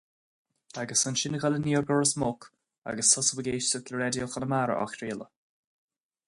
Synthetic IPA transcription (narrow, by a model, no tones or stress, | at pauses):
aɡəsənʃɪnəɡaləniːɹɡɔɹəsmʊk | a̰ɡəsʊsəwəɡeːʃsʊkləɾɛdjoxənəmaɾə̰ʔɔ̰xɾiːlə̰